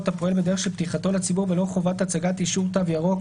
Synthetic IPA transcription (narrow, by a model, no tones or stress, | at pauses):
t̪apoelbed̪eʁeχʃelpt̪iχat̪o̞lat͡sibuʁvelo̞χo̞vat̪at͡saɡat̪iʃuʁt̪avjaʁo̞